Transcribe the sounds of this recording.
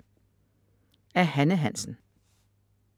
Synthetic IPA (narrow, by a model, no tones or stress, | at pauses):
æɐhænəɦæn̰sn̩